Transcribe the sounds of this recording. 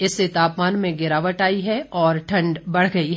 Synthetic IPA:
ɪsːet̪aːpmaːnmẽɡɪɾaːʋəʈaːiɦɛɔːɾʈʰɐ̃ɳɖbɐɽ̤ɡɐiɦɛ

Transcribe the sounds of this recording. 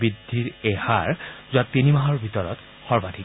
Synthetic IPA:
bidʱːiɹɛhaɹzuatinimaɦɔɹbʱitɔɹɔ̰t | xɔɹbadʰʱik

